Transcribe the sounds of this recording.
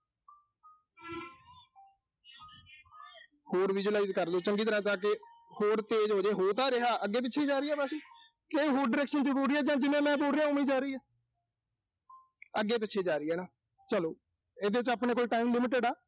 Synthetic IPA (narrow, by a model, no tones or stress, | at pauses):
hoːɾʋɪd͡ʒulaːiːzkəɾloːt͡ʃəŋɡiːt̪əɾãːt̪ãːkehoːɾt̪eːd͡ʒɦoːd͡ʒeːɦoːt̪ãːɾɪɦaːʔəɡːeːp̬ɪt͡ʃʰeːd͡ʒaːɾəiːɛːbɛːsiː | kẽĩːɦoːɾɖɪɾɛːkʃənzəɾuːɾiːɛːd͡ʒãːd͡ʒɪnẽːmɛ̃ːboːɾːjãːɦʊmiːd͡ʒaːɾəiːɛː | əɡːeːp̬ɪt͡ʃʰːeːd͡ʒaːɾiːɛːnaː | t͡ʃəloː | ed̪eːɪt͡ʃapneːkolʈaːimlɪmɪʈəɖaː